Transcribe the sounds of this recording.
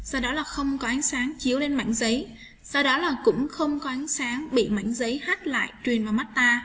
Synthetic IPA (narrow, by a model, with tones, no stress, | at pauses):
sa˧wɗɔ˨˦laː˨˩xə˧wŋ͡mkɔ˨˦ʔa˨˦ŋ̟saː˨˦ŋt͡ɕi˨˦əwle˧nma̰˧˨jŋ̟zə˨˦j | sa˧wɗɔ˨˦laː˨˩kʊ̰˧˥ŋ͡mxə˧wŋ͡mkɔ˨˦ʔa˨˦jŋ̟saː˨˦ŋɓḭ˧˨ma̰˧˥˨jŋ̟zə˨˦jha˦˥t̚la̰ː˧˨jt͡ɕwi˨˩ənmaː˨˩ma˦˥t̚t̪aː˧